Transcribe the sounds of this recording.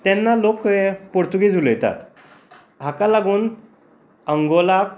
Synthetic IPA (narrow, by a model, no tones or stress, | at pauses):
t̪ɛnːalokepoɽt̪uɡid͡zʱuljt̪a̰t̪ | ɦakalaɡuːn | əŋɡolak